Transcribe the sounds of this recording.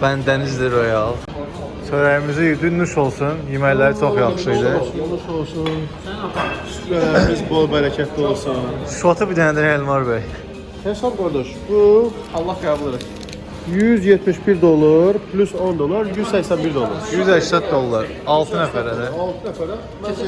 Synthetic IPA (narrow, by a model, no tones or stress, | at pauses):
b̥ænd̪enizd̪iɾojalˠ | søjɾɛjimizijyd̪ynuʃo̞lˠsunjimɛjlʲːæɾit͡ʃʰokjaχʃɯjd̪ɯnuʃolˠsun | izbolˠbɛɾɛcʰɛt̪ʰːiolˠsunʃfat̪ʰɯbid̪ɛnd̪iɾɛɛlʲmaɾbɛj | t̪ʰɛsamɡoɾd̪oʃbu | ɑlˠːahkablˠɯɾɯ | jyzjɛt̪miʃbiɾd̪olˠaɾpʰlʲysond̪olˠaɾjyzsɛcsænbiɾd̪olˠaɾjyzɛʃsɛt̪̚d̪olˠːaɾ | alˠt̪ʰɯnɛfæɾɛnɛalˠt̪ʰɯnɛfæɾ